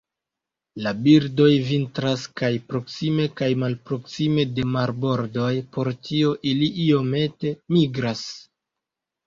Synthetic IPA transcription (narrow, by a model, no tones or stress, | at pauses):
labiɾdo̞jvintɾaskajpɾo̞ksime̞kajmalpɾo̞ksime̞de̞maɾbo̞ɾdo̞jpo̞ɾtʰio̞ʔiliʔio̞me̞te̞miɡɾas